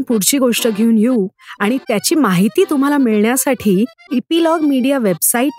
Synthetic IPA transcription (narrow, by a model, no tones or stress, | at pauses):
npuɽt͡ɕiːɡoʂʈəɡʱeuːnjeũaɽ̃it̪jat͡ɕiːmaɦit̪iːt̪um̤alamiɭɳjasaʈʰiːepilɔɡmiɽijaʋebsaiːʈ̚